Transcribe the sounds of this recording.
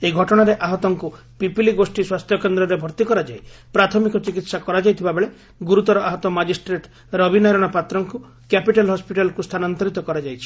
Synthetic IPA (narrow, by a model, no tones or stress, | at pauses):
eɡʱɔʈɔɽ̃aɾeʔaɦɔt̪ɔŋku | pipiliɡosʈiswast̪ʰjɔkend̪ɾɔɾebʱɔɾt̪ikɔɾad͡ʒajpɾat̪ʰɔmikɔt͡ʃikit̪sakɔɾad͡ʒajt̪ʰibabeɭe | ɡuɾut̪ɔɾɔaɦɔt̪ɔmad͡ʒisʈɾeʈ | ɾɔbinɔjɾɔɽ̃ɔpat̪ɾɔŋku | kɛpiʈalɦɔspiʈalɔkust̪ʰanant̪ɔɾit̪ɔkɔɾad͡ʒajt͡ʃʰi̥